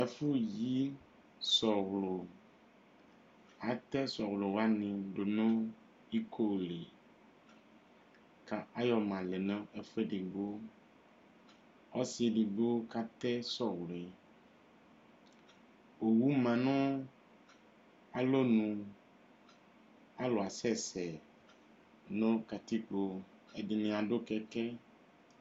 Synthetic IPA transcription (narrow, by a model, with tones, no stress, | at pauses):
e˨fu˦ji˦ | sɔ˨wlo˨ | a˨t̪ɛ˦sɔ˨wlo˨wa˦nĩ˨ɖo˨nõ˦ | i˦kʰo˦˨le˨ | ka˨a˦jɔ˨mã˨le˨nã˦e˨fe˦ɖi˨ɡ͡bo˦ | ɔ˦si˨ɖi˨ɡ͡bo˦ka˦t̪ɛ˦sɔ˦wlɛ˨ | o˨wu˦mã˨nɔ̃˦ | a˨lo˦nũ˨ | a˦lo˨a˨sɛ˦sɛ˨ | nõ˦ka˨t̪i˦k͡po˨ | e˨ɖi˨nĩ˨a˨ɖo˦kɛ˦kɛ˦